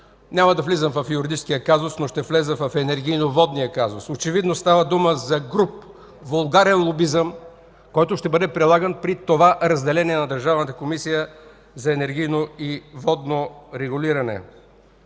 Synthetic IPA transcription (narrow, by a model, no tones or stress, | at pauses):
nʲaməd̪ɐflizəmvɐfjʊɾid̪it͡ʃskijəkazʊsnoʃt̪ɛflɛzəvɐfɛnɛɾɡ̟ijnovɔd̪nijəkazʊsot͡ʃɛvid̪nost̪avəd̪uməzɐɡɾup | volˠɡaɾɛnlˠobizəm | kɔjt̪ʊʃt̪ɛbəd̪ɛpɾilˠaɡənpɾit̪ovaʔɾɐzd̪ɛlɛniɛnɐd̪ɐɾʒavnət̪əkomisijə | zɐɛnɛɾɡijnoivɔd̪noɾɛɡʊliɾɐnɛ̰